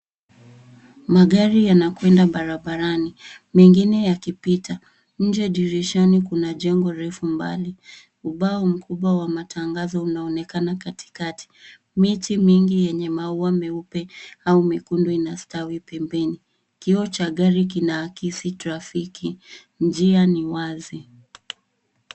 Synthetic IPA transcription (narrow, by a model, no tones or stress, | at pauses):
maɠaɾijanakwɛndaɓaɾaɓaɾanimɛŋɡinɛjakipita | ɲ̩d͡ʒɛɗiɾɛʃɔnikunaʄɛŋɡɔɾɛfumba̰li | uɓaɔm̩kʰuɓwawamatʰaŋɡazɔunaɔnɛkanakati̥katʰi̥ | mitimiŋɡijɛɲɛmauwamɛupɛaumikunduinastawipɛmbɛni | kiɔt͡ʃaɠaɾik̬inaːkisitɾafiki | nd͡ʒianiwazi